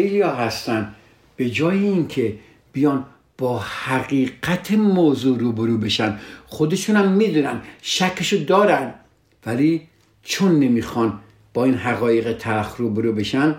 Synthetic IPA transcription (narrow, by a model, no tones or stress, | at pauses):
ejɒːɦæst̪ænd̪ | b̥e̞d͡ʒɒːjeiŋkʰe̞ | b̥ijɒːn | b̥ɒːhæɣiːɡæt̪ʰemoːzuːɾuːbeɾuːbe̞ʃænxod̪e̞ʃuːnhæmːiːd̪uːnænd̪ʃækʰːeʃod̪ɒːɾænd̪ | væliː | t͡ʃʰonːemiːxɒn | b̥ɒːiːnɦæɣɒːjeɣet̪ʰæɾxruːbeɾuːbe̞ʃæn